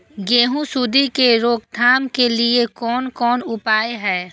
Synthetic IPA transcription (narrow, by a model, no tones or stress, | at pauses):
ɡeːɦũsud̪ʱikeɾoːkd̪ʰʱaːmkeliekɔːnkɔːnʊpaːeɦɛː